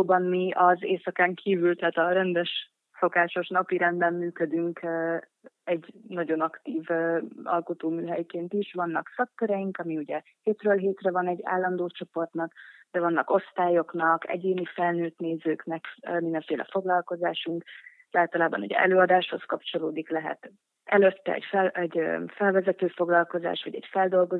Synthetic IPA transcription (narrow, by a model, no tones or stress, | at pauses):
bɒmmiɒzeːsɒkaːŋkʰiːvylt̪ɛɦːt̪ɒɾɛnd̪ɛʃ | so̞kaːʃo̞ʃnɒpiɾɛnd̪bɛmːyːkød̪yŋkː | ɛɟnɒɟo̞nɒkt̪iːvɒ̰lko̞t̪oːmyːɦɛjkeːnt̪iʃʋɒnːɒksɒk̚t̪øɾɛjiŋkɒmiuɟɛ | heːt̪røːlɦeːt̪rɛvɒnɛɟːa̰ːlːɒnd̪oːt͡ʃo̞po̞rt̪nɒkd̪̥ɛvɒnːɒko̞st̪aːjo̞knɒkɛ̰ɟeːnifɛlnøːt̪neːzøːknɛkːmind̪ɛɱfeːlʔɛ̰fo̞ɡlɒlko̞zaːʃuŋk | aːlt̪ɒlaːbɒnṵɟɛ̰ɛ̰løːɒd̪aːʃho̞skɒpt͡ʃo̞loːd̪iklɛɦɛ̰t̪ | ɛløt̪ːɛ̰ɛ̰cfɛlɛɟøfɛlvɛzɛt̪øːfo̞ɡlɒlko̞za̰ːʃʋɒ̰ɟɛ̰cfɛld̪o̞lɡo̞